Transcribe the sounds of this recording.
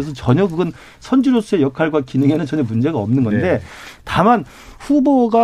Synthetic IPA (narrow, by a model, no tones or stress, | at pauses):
sʰʌt͡ɕʌɲʌkɯɡʌn | sʰʌnd͡ʑuɾosʰue̞jʌkʰaɭɡwakinɯŋe̞nɯnt͡ɕʌɲʌmund͡ʑe̞ɡaʌmnɯnɡʌndde̞taman | ɸuboɡa